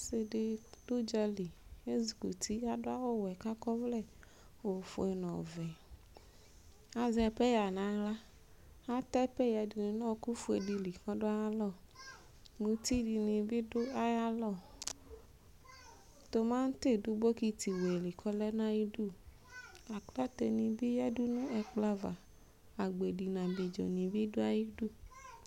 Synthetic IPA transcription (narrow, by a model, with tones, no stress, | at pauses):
sɪ˨dɪ˦d̥ʊ˦d͡ʒɛ˦li˨e˦zu˨ku˨t̪ʰi˦a˦dʊ˦a˦wɔ˦wɛ˨ka˦kɔ˦vlɛ˦˨ | o˨fʊ˨ɛ˨nɔ̰̃˨vɛ˨ | a˦zɛ˨pɛ˦ja˨nã˨˦la˦ | a˦t̪ɛ˦pɛ˦ja˨di˨nɪ̃˨nɔ̃˦ku˦fu˦e˨di˨li˨kɔ˦dʊ˦a˦ja˦lɔ˦˨ | nũ˨t̪i˦di˨nĩ˨bi˦dʊ˦a˦ja˦lɔ˦˨ | t̪o˨mã˦ŋ̩˦t̪e˦du˦bo˦ki˦t̪i˨we˨li˨kʰɔ˦lɛ˦nã˦ji˦du˦˨ | a˨kla˦t̪e˨nĩ˨bi˦ja˦du˦nũ˦ɛ˨k͡pla˦va˨ | a˨ɡ͡be˨di˨nã˨bi˨d͡ʒɔ̰˨nĩ˨bi˦dʊ˦a˦ji˦du˦˨